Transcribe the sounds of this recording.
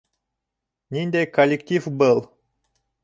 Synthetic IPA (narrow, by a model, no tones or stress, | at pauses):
nʲinʲd̪ʲekolʲːekt̪ʲifbɤlˠ